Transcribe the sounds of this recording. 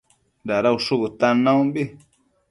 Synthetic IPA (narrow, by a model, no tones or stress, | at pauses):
nd̪aɾauʂukut̪anãũmbi